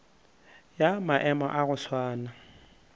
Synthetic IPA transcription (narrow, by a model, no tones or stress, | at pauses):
jamaʔɛmɔ̰ʔaɣʊswaːna